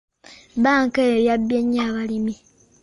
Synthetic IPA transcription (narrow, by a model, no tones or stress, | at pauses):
βaːŋkejojabjeɲːaβalimi